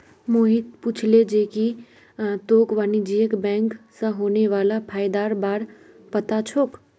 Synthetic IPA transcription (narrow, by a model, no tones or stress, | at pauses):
moːɦit̪pʊt͡ʃʰled͡ʒeːki | t̪oːkʋaːnid͡ʒiːjəkbɛ̃ːŋksə̃ɦoːneʋaːlapʰaːɪd̪aːɾbaːɾ | pət̪at͡ʃʰoːk